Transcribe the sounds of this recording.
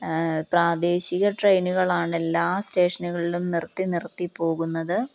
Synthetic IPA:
praːd̪e̞ːɕiɣɐʈrɐjnuɣɐɭaːɳe̞lːaːste̞ːʂɐnuɣɐɭilumnirt̪ːinirt̪ːipːo̞ːɣunːɐðɨ

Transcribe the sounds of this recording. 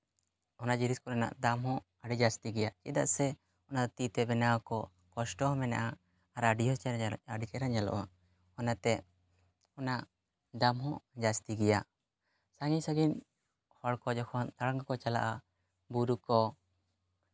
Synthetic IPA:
ɔnad͡ʒiɾiskɔɾana̰ʔd̪amhɔ̃ | aɖid͡ʒast̪iɡɛjat͡ʃḭd̪aʔsɛ | ɔnad̪ɔt̪it̪ɛbɛnakɔ | kɔsʈɔɔ̃mɛnaʔa | aɾaɖiɦɔaɖit͡ʃɛɾad͡ʒalɔ̰ʔa | ɔnat̪ɛ | ɔnaʔ | d̪amɦɔ̃d͡ʒast̪iɡɛja | saŋisaɡin | hɔɽkɔd͡ʒɔkʰɔnt̪aɽaŋɡakɔt͡ʃala̰ʔa | buɾukɔ

